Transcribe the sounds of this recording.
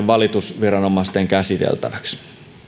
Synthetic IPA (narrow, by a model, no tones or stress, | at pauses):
ʋʋɑlit̪usʋirɑnomɑˑst̪eŋkæsit̪ḛlt̪æ̰ʋæks